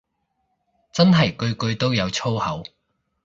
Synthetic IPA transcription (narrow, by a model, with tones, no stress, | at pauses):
t͡sɐ˥nɦɐ˨˩jkɵ˧ɥkɵ˧ɥt̪o˥wjɐ˨˧wt͡sʰo˥whɐ˨˥w